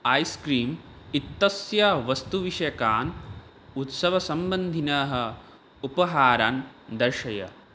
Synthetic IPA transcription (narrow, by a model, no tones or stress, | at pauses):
ɐjskɾiːm | it̪ːɐsjaːʋɐst̪uʋiʂɐjɐkaːn | ut̪sɐʋɐsɐmbɐnd̪ʱinɐːɦɐ̆ | upɐɦaːɾaːnd̪ɐɾʃɐjɐ̰